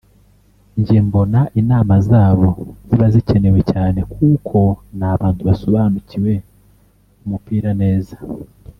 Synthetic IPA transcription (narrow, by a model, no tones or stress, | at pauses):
ɲɟembo̞naʔinaːmazaːβo̞ziβazice̞ne̞we̞caːne̞kʰuːkʰo̞naːβaːntuβasoβaːnuciwe̞ | umupiːɾane̞ːza